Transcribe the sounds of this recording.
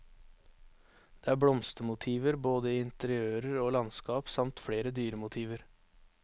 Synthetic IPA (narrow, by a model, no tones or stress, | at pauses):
d̪̥eːæːbɽɔmst̪əmʊt̪ʰiːʋəɾboːd̪əiːɪnt̪əɾɪøːɾəɾoːlɑnskɑːpsɑmt̪fɽeːɾəd̪yːɾəmʊt̪ʰiːʋəɾ